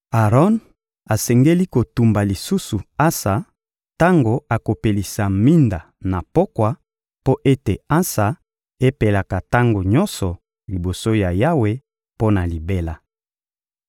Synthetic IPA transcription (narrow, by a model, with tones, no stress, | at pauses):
a˨ʁɔ˦n | a˨sɛ˨ŋɡe˦li˦ko˨tu˨mba˨li˨su˦su˨a˦sa˨ | ta˦ŋɡo˨a˨ko˨pe˨li˨sa˨mi˦nda˨ | na˨po˦kwa˨ | po˦ʔe˦te˨a˦sa˨ | e˦pe˨la˨ka˨ta˦ŋɡo˨ɲɔ˦nsɔ˨ | li˨bo˨so˦ja˨ja˦we˦ | po˦na˨li˨be˦la˨